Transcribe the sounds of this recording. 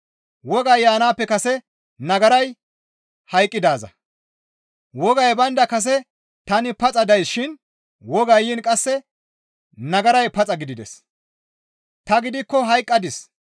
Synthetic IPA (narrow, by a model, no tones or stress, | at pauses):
wɔɡɐjːaːnaːpːɛkɐsɛ | nɐɡɐɾɐj | hɐjkʼːɪd̪aːzɐ̰ | wɔɡɐjbɐnd̪ɐkɐs̬ɛ | t̪ɐnɪpɐt͡sʼɐd̪ɐjsʃɪn | wɔɡɐjːiːnkʼɐsːɛ | nɐɡɐɾɐjpɐt͡sʼɐɡɪd̪ɪd̪ɛ̰s | t̪ɐɡɪd̪ɪkːɔɦɐjkʼːɐd̪ɪs